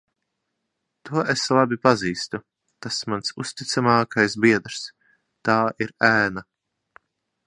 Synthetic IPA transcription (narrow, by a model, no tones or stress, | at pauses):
t̪uɔʔeslˠabʲipaziːst̪u | t̪asmansust̪ʲit̪samaːkajsbʲiɛd̪ɾs | t̪aːʔiɾæːna